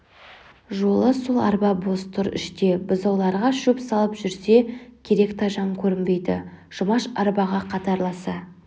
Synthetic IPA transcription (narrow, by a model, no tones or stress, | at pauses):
ʒo̞lˠəsʊlˠɑ̰ɾbɑbo̞st̪ʰʊɾɪ̰ʃt̪e̞bʊzɑwlˠɑɾʁɑʃɵpsɑlˠəpʒʏɾse̞kʲʰe̞ɾe̞kt̪ʰɑʒɑmkʲʰɵɾɪmbe̞jd̪ɪ̰ʒ̥ʊmɑʃɑɾbɑʁɑqʰɑt̪ɑɾlˠɑsɑ